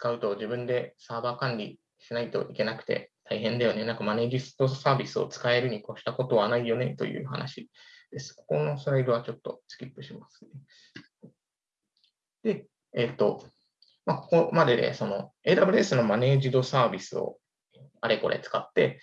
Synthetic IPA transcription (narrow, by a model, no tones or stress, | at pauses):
t͡sɨ̥kaɯ̟t̪o̞ʑibɯ̟̃nd̪e̞saːbaːkãɲɾʲi | ɕinait̪o̞̰ʔike̞nakɯ̟̥t̪e̞̰t̪ʰaiɦẽ̞nd̪ajo̞ne̞nãŋkamane̞ːʑist̪o̞saːbʲisɨo̞̰t͡sɨ̥kae̞ɾɯ̟ɲ̟iko̞ɕi̥t̪ako̞t̪o̞βanaijo̞ne̞t̪o̞̰jɯ̟̰ːha̰na̰ɕid̪̥e̞sɨ̥koko̞no̞sɨɾaiɾɯ̟βat͡ɕo̞t̪ːo̞̰t͡sɨ̥kʲipːɯ̟ɕimasɨ̥ne | d̪̥e̞ː | t̪ːo̞ | mako̞̥ko̞mad̪e̞d̪e̞̰so̞no̞e̞ːt̪abɯ̟ɾe̞sɨno̞mane̞ːʑid̪o̞saːbʲisɨo̞̰ | aɾeko̞̰ɾʔe̞̰t͡sɨ̥kat̪ːe̞